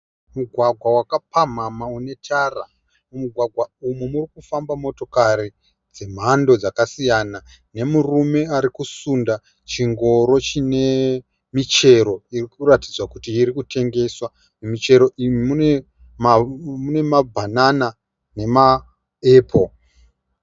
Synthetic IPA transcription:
muɡʱwaɡʱwawakapam̤amaune̞tʰara | umuɡʱwaɡʱwaumumurikufambamo̞to̞kaɾi | d͡ze̞m̤ando̞d͡zakasijana | ne̞murume̞aɾikusunda | t͡ʃiŋɡo̞ɾo̞t͡ʃine̞ | mit͡ʃe̞ɾo̞irikuratid͡zwakutiːɾikute̞ŋɡe̞swa | nemit͡ʃe̞ɾo̞ʔimimune | mamune̞mabʱanana | ne̞ma | eːpʰo̞

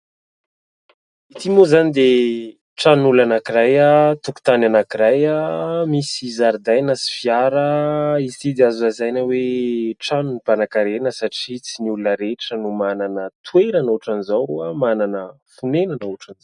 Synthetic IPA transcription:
it̪imuzanid̪e | ʈ͡ʂanulanakiɾajat̪uku̥t̪ananakiɾajamisizaɾd̪ajnasi̥fiaɾəizit̪id̪azuazajnəweʈ͡ʂanunipanakaɾenəsaʈ͡ʂit͡siniulunəɾeʈ͡ʂənumananət̪ueɾanoʈ͡ʂanizawɾuəmananə | funenanuʈ͡ʂanzaw

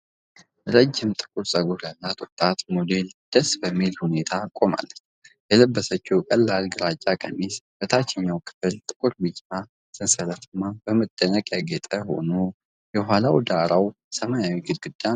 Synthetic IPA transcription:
ɾəd͡ʒːɪmt̪ʼɨ̥kʼuɾsʼəɡuɾjalːat̪ʼʊt̪ʼat̪mod̪e̞ld̪̥əsbəmːilhune̞t̪ʰakʼo̞ma̰lːət͡ʃ | jɛləbːəsət͡ʃːɛwkʼəlːalɡɨɾat͡ʃʼːakʼə̰nːisbət̪ʰat͡ʃːɛɲːawkʰɨ̥fɨlt̪ʼɨkʼuɾbɨt͡ʃʼːa | sɨnsələt̪ɨmːabəməd̪̥ənəkʼjaɡɛt̪ʼəho̞̰no | jɛɦalawd̪aɾaw | səmajawiɡɨd̪̚ɡɨd̪ːa

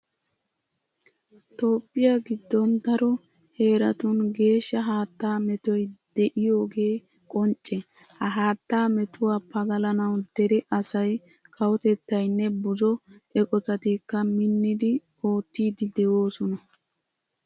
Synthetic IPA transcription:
t̪o̞ːpʼːɪjaɡɪd̪ːɔnd̪ɐɾɔ | he̞ːɾɐt̪ʊnɡe̞ːʃːɐɦaːt̪ːaːmɛt̪ɔjd̪̥ɛʔɪjo̞ːɡe̞ː | kʼɔnt͡ʃʼːɛ | hɐɦaːt̪ːaːmɛt̪ʊwaːpːɐɡɐlɐnɐwd̪̥ɛɾɛʔɐsɐj | kʰɐwɔt̪ɛt̪ːɐjnːɛbʊzɔʔɛkʼɔt̪ɐt̪ikːɐmɪnːɪd̪ɪ | o̞ːt̪ːiːd̪ɪd̪ɛwoːsɔnɐ

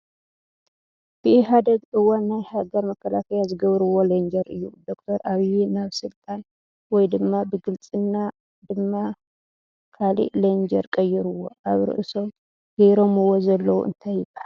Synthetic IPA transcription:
b̥ɨʔɪɦad̪ɐɡɨwanːajhaɡɐɾmɐkʰːɐlakʰɐjazɨɡɐβɾɨwo̞lɐnd͡ʒɐɾɨjːud̪o̞k̚t̪ʰɐɾʔaβijɛnaβsɨlt̪ʼan | wɔjd̪ɨmːabɨɡɨlt͡sʼɨnːa | d̪ɨmːa | kʰalḭʔlɐnd͡ʒɐɾkʼɐjːɪɾuwo̞̰ʔaβɾɨ̰ʔɨso̞m | ɡ̥ɐjɾo̞mɨwo̞zɐlːɐwṵɨ̰nt̪ʰajːɪbahal

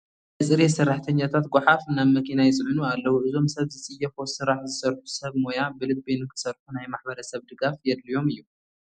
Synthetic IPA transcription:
ɐsʼɨɾesɨrːaħt̪ʰɐɲːat̪ʰat̪̚ɡʷʊħafnaβmɐkʰinajɪt͡sʼɨʕɨnualːɐwuʔɨzo̞msɐβzɨt͡sʼɨjːɐfo̞sɨɾaħzɨsɐɾħu̥sɐβmo̞jabɨlɨt̪̚benɨkʰɨ̥sɐɾħunajmaħbɐɾɐsɐβd̪ɨɡafjɛd̪lijo̞mɨjːu

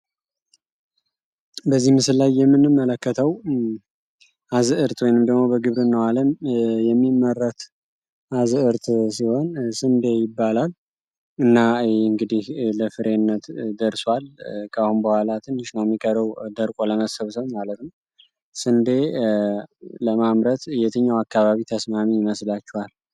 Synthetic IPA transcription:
bəzːihmɨsɨlːajːɛmːɨnɨmːələkːət̪ʰəw | ʔazɨʔɨɾt̪wojnɨmd̪əɡmo̞bəɡɨβɾɨnːəwaləmjɛmːimːəɾːət̪ | ʔazɨɨɾt̪ʰsiho̞nsɨnd̪e̞jɪbːalal | ɨnːaɨŋɡɨd̪ihləfɨɾe̞nːət̪d̪əɾswalkʰʼahunbəhʷalat̪ʰɨnɨʃnawɛmːikʼəɾəwd̪əɾkʼo̞ləməsəβsəβmalət̪nəw | sɨnd̪e̞ | ləmamɾət̪ɨjɛt̪ʰəɲːawakːaβaβit̪ʰəsmamiɪməslat͡ʃːɛhal

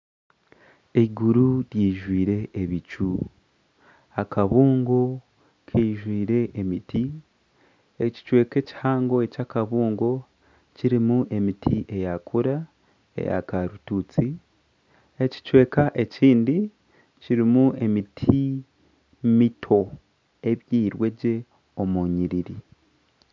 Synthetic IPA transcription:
eɡuɾuɾjiːʒwiːɾe̞ʔːβit͡ʃu | akaβuːŋɡo̞ | kʰeʒwiːɾe̞ʔemiti | eci̥t͡ʃwe̞ːke̞ci̥haːŋɡo̞e̞cakaβuːŋɡo̞ | ciɾimuʔe̞mitʰiʔe̞jakʰuɾa | ḛja̰kaɾutut͡si | e̞ci̥t͡ʃwe̞ːkaʔe̞ciːndi | ciɾimuʔe̞mitʰi | mitʰo̞ | e̞βjiːɾwe̞ɟe̞ | o̞muːɲiɾiɾi

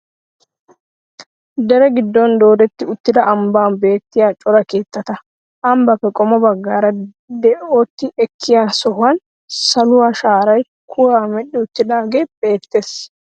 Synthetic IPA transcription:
d̪ɛɾɛɡɪd̪ːɔnd̪o̞ːd̪ɛt̪ːɪʊt̪ːɪd̪ɐʔɐmbaːnbe̞ːt̪ːɪjaːt͡ʃʼɔɾɐke̞ːt̪ːɐt̪ɐ | ʔɐmbɐfːɛkʼɔmɔbɐɡːaːɾɐ | d̪ɛʔoːt̪ːɪʔɛkʰːɪjaːsɔhɐn | sɐlʊwaːʃaːɾɐj | kʰʊwaːmɛɗːɪʊt̪ːɪd̪aːɡe̞ːb̥e̞ːt̪ːeːs

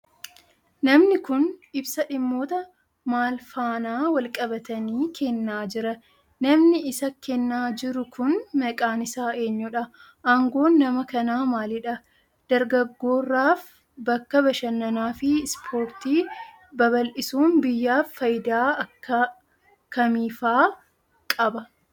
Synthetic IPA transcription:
nɐmnɪkʊnɪbsɐᶑɪmːo̞ːt̪ɐ | maːlfaːnaːwɐlkʼɐbɐt̪ɐniːkʰɛnːaːd͡ʒɪɾɐ | nɐmnɪɪsɐkːɛnːaːd͡ʒɪɾʊkʊnmɐkʼaːnɪsaːe̞ːɲːɔᶑɐ | ʔaŋɡo̞ːnːɐmɐkɐnaːmaːlɪᶑɐ | d̪̥ɐɾɡɐɡːo̞ːrːaːf | bɐkːɐbɐʃɐnːɐnaːfɪspʰo̞ːɾt̪iː | bɐβɐlʔɪsuːnbɪjːaːfːɐjd̪aːɐkːɐ | kɐmiːfaː | kʼɐbɐ

